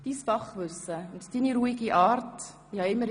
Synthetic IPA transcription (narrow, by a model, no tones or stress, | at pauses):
d̥iːsfɑχʋʏsəʊnttiniɾuiɡiʔɑːɾt | ihɑɪmːəɾ